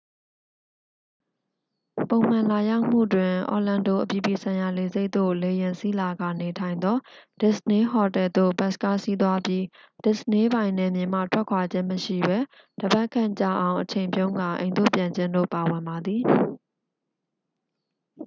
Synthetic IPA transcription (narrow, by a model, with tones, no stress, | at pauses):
põ˨ʊ̃m̥ã˨la˨ja˦ʊm̥ṵ˦˨dwɪ̃˨ʔɔ̰˨lã˨ndo̰˦˨ʔəpji˨pi˨sʰã˨ɪ̃ja˨le˨ze˦ɪt̪o̰˦˨le˨jɪ̃˨nsi˦la˨ɡa̰˨ne˨tʰã˨ɪ̃nd̪ɔ˦d̥ɪ˦˨sne˦ɦɔ˨tɛ˨d̪o̰˦˨ba˦ska̰˦˨si˦t̪̬wa˦pji˦ | d̥ɪ˨sne˦bã˨ɪ̃nɛ˨mjɪ̃˨m̥a̰˦˨tʰwɛ˦kʰwa˨d͡ʑɪ̃˦məʃḭ˦˨bɛ˦ | d̥əba˦ʔkʰːã̰˦˨t͡ɕa̰˦˨ʔã˨ʊ̃ʔət͡ɕʰẽ˨ɪ̃mpjõ˦ʊ̃ŋɡã˨ʔḛ̃˨ɪ̃nd̪o̰˦˨pjã˨ɲd͡ʑɪ̃˦ndo̰˦˨pa˨wɪ̃˨mba˨d̪ði˨